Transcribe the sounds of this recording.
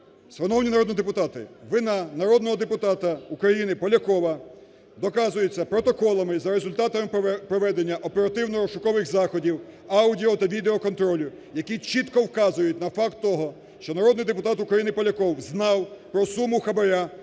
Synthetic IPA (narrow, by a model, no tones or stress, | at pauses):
sʋɐnɔwnʲinɐɾɔd̪nid̪epʊt̪ɑt̪ɪʋɪnɑnɐɾɔd̪nɔɦɔd̪epʊt̪ɑt̪ɐukɾɐjinɪpɔlʲɐkɔʋɐ | d̪ɔkɑzʊjʊt͡sʲːɐpɾɔt̪ɔkɔlˠɐmɪzɐɾezʊlʲt̪ɑt̪ɐmɪpɾɔʋɛd̪enʲːɐʔɔpeɾɐt̪ɪwnɔɾɔʃʊkɔʋɪxzɑxɔdʲiw | ɑwdʲiɔt̪ɐʋʲid̪eɔkɔnt̪ɾɔlʲʊ | jɐkʲit͡ʃit̪kɔwkɑzʊjʊtʲnɐfɑkt̪ːɔɦɔ | ʃt͡ʃɔnɐɾɔd̪nɪjd̪epʊt̪ɑt̪ʊkɾɐjinɪpɔlʲɐkɔwznɑwpɾɔsumʊxɐbɐɾʲa